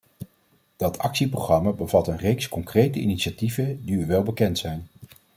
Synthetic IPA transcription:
d̥ɑtʰɑ̰ksiprowχrɑmabəvɑtənrejkskɔŋkrejtəḭniʃativədiyʋɛlˠbəkɛntsɛjn

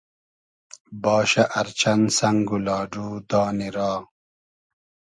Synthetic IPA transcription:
bɑːɕɐʔɐɾt͡ɕʰɐnsɐŋɡulɑːɖuːd̪ɑːniɾaː

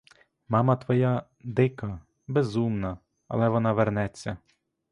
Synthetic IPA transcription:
mɑmɐt̪ʋɔja | d̪ɪkɐ | bezumnɐ | ɐ̰lˠɛʋɔnɑʋernɛt͡sʲːɐ

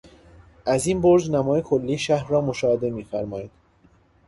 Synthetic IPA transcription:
ʔæzinboɾd͡ʒnæmɒːjekʰolːiːʃæhɾrɒːmo̞ʃɒːhed̪e̞miːfæɾmɒːjid̪̥

